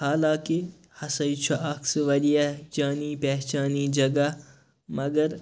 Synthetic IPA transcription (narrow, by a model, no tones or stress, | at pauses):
haːlaːki | hɐsɐjt͡ʃʰuʔɐksʋɐlijad͡ʒaːniːpɛɦt͡ʃaːniːd͡ʒɐɡa | mɐɡɐɾ